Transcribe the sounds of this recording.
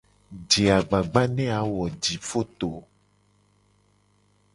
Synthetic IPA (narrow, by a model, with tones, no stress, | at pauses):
d͡ʒe˨a˨ɡ͡ba˨ɡ͡ba˦nɛ̃˦a˨wɔ˨d͡ʒi˨fo˦t̪o˨